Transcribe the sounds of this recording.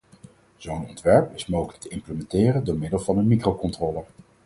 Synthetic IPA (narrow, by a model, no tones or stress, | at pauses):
z̥ownɔ̰ntʋɛɹpɪsmowχələk̚təɪmpləmɛntɪːrəndʊːɹmɪdəlˠvɑnənmikrowkɔntrɔːlˠə